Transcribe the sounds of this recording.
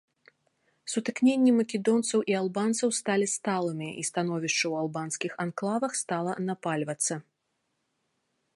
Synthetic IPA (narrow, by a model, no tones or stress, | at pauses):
sut̪ɨknʲenʲːimɐkʲɛd̪ɔnt̪sɐwʔialˠbant̪sɐwst̪alʲist̪alˠɨmʲiʔḭst̪anɔvʲiʂt͡ʂɐwalˠbanskʲixanklˠavɐxst̪alˠɐnapalʲvɐt̪sːɐ